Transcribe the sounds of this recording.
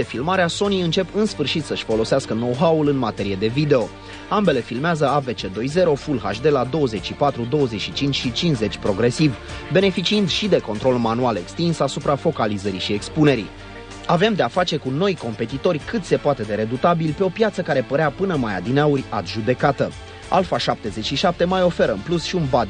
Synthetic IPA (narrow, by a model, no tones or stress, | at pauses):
efilmaɾeaso̞niɨnt͡ʃe̞pɨnsfɨrʃit̪səʃʲfo̞lo̞seaskəno̞wɦaulɨnmat̪e̞ɾije̞d̪e̞vid̪e̞o̞ | ambe̞le̞filmeazəave̞t͡ʃe̞d̪o̞jze̞ɾo̞fulɦa̰ʃd̪e̞lad̪o̞wəze̞t͡ʃʲʃipat̪ɾud̪o̞woəze̞t͡ʃʃit͡ʃint͡ʃʲʃit͡ʃinze̞t͡ʃʲpɾo̞ɡɾe̞sivbe̞ne̞fit͡ʃiɨnd̪ʃid̪e̞ko̞nt̪ɾo̞lmanuale̞kst̪insasupɾafo̞kalizəɾiʃie̞kspune̞ɾḭ | ave̞md̪e̞afat͡ʃe̞kuno̞jko̞mpe̞t̪it̪o̞rʲkɨt̪se̞poat̪e̞d̪e̞ɾe̞d̪ut̪abilpe̞o̞pjat̪səkaɾe̞pəɾeapɨnəmaja̰d̪inaurʲa̰t̪ʒud̪e̞kat̪ə | a̰lfaʃap̚t̪e̞ze̞t͡ʃʃiʃap̚t̪e̞majo̞fe̞ɾəɨ̰nplusʃiunbad̪